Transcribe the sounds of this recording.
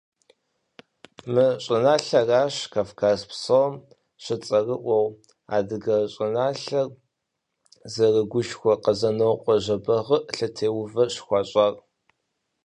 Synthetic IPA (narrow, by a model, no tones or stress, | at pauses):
mɨɕʼɪnaːɬɐraːɕkʰaːfkʰaːzpsɐwm | ɕɪt͡sʼɐrɨʔʷɔw | a̰ːdɨɣɐɕʼɪnaːɬɐr | zɐrɨɡʷʊʃxʷɔqɐzɐnowqʷʼɔʑɐbɐʁəʔɬɐtʰeːwʊvɐɕxʷɑːɕʼɐr